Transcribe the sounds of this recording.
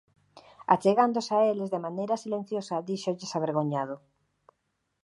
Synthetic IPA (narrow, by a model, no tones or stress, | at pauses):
at͡ʃeɣand̪osaelezðemanejɾɐsilen̟θjosɐðiʃoʎɪsaβeɾɣoɲað̞ʊ